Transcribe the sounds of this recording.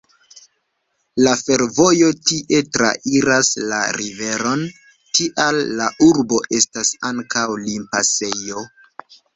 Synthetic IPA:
lafe̞ɾvo̞jo̞tiʔe̞tɾa̰ʔiɾasla̰ɾive̞ɾo̞n | tiʔalːaʔuɾbo̞ʔe̞stasaŋkawlimpase̞jo̞

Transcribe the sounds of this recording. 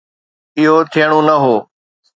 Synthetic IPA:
ɪɦot̪ʰijəɽ̃onɐɦoː

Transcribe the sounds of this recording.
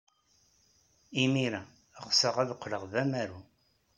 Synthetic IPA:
imiɾæ | ʁsəʁæðəqʷːləʁðæmæɾu

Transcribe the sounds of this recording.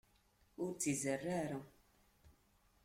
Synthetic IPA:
ʊɾt͡sːizərːaɾa

